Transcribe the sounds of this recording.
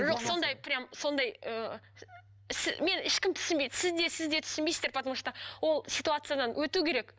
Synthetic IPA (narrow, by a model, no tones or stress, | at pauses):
ʒoqso̞nd̪ɑjpʰɪɾʲɪjamso̞nd̪ɑjə | sɪme̞nɪʃkʲɪmt̪ʰʏ̥sɪnmbejd̪sɪzd̪e̞sɪzd̪e̞t̪ʰʏ̥sɪnbejszd̪eɾpʰɑt̪məʃət̪ɑwo̞lˠsʲit̪uat̪sɨjad̪ɑnwɵt̪ukʲʰe̞ɾek